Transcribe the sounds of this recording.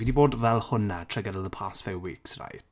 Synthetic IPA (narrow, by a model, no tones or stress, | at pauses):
idiboːdvɛlˠhʊnatʰrɛɡɛɾəlˠðəpʰaːsfɪwwiːksra̰jd